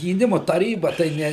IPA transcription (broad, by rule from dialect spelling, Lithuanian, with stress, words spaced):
ɡʲiːˈnʲɪmʊ tɐˈrʲiːbɐ tɐɪ ˈnʲɛ